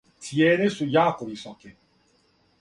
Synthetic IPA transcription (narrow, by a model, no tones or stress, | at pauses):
t̪ʰjɛːnesujaːkoɾisake